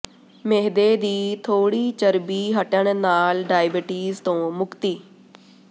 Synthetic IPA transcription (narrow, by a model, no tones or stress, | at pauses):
meɦd̪eːd̪iːt̪ʰoːɽiːt͡ʃəɾbiːɦəʈəɳnaːlɖaːjbɪʈiːzt̪õːmʊkt̪iː